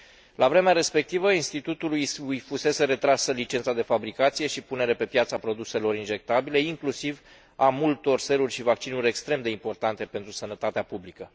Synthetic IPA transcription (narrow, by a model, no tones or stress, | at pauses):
lavɾe̞meaɾe̞spe̞k̚t̪ivəinst̪it̪ut̪ulujujfuse̞se̞ɾe̞t̪ɾasəlit͡ʃensad̪e̞fabɾikat̪sije̞ʃipune̞ɾe̞pe̞pjat̪səapɾo̞d̪use̞lo̞ɾinʒe̞k̚t̪abile̞iŋklusiv | amult̪o̞rse̞lurʲʃivak̚t͡ʃinuɾʲe̞kst̪ɾe̞md̪e̞impo̞rt̪ant̪e̞pe̞nt̪ɾusənət̪at̪eapublikə